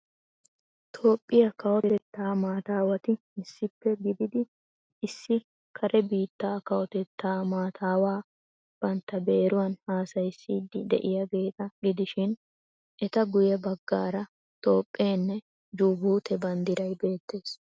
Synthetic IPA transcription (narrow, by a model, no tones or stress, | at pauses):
t̪ʰo̞ːpʼːɪjɐkɐwɔt̪ɛt̪ːaːmaːt̪aːwɐt̪ɪ | ɪsːɪpːɛɡɪd̪ɪd̪ɪ | ɪsːɪ | kʰɐɾʔɛbiːt̪ːaːkɐwɔt̪ɛt̪ːaːmaːt̪ʰaːwaː | b̥ɐnt̪ːɐbe̞ːɾʊwɐnhaːsɐjsːiːd̪ɪd̪ɛ̰ʔɪjaɡe̞ːt̪ʼɐɡɪd̪ɪʃɪn | ʔɛt̪ɐɡʊjɛbɐɡːa̰ːɾɐ | t̪ʼo̞ːpʼːeːnːɛ | d͡ʒuːbuːt̪ʰɛbɐnd̪ɪɾɐjbe̞ːt̪ːe̞ːs